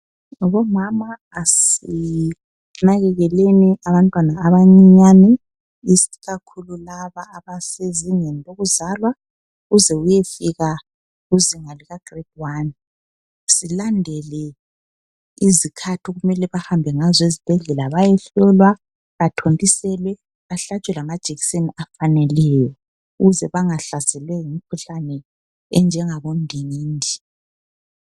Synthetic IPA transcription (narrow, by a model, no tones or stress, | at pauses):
βɔmamaːsi | naɣɛɣɛleniaβantʼwanaːβaɲiɲanɛ | isiɣakʰululaβaːβaseziɲeniloɣuzalwa | ɣuzɛujefiɣa | uziŋaliɣaɡ̥ʱriɡwani | silandʱɛlɛ | izikʰatʰɔɣumɛlɛβahambʱɛŋazɔizib̥ʱɛɮɛlaβajɛɬɔlwa | βatʰontʼisɛlwɛ | βaɬat͡ʃʼwɛlamad̥ʒ̥ʱeɣiseniafanɛlɛjɔ | uɣuzɛβaŋaɬasɛlwɛjimikʰuɬanɛ | ɛnd͡ʒʱɛŋaβondʱiniːndʱi